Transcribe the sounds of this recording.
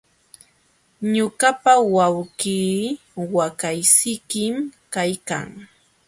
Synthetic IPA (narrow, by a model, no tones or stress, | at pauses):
ɲʊɢapawawɢiː | wakajsɪkɪmkajka̰ŋ